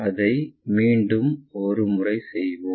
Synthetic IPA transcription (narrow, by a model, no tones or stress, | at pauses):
ɐðɐɪmiːɳɖɯmɔɾɯmʊrɐɪsɛjʋoː